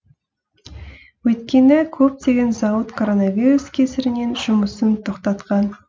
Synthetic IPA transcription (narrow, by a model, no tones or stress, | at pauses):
wɵjt̪kʲe̞nɪkʲʰɵp̚t̪e̞ɡʲe̞nzɑwət̪kʰo̞ɾo̞nɑvʲiɾuskʲʰesɪɾɪne̞nʒʊməsənt̪ʰoqt̪ɑt̪qɑn